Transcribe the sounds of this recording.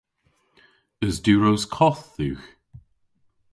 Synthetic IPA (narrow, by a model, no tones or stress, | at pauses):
əzdʉːɹowskʰɔθːʉːx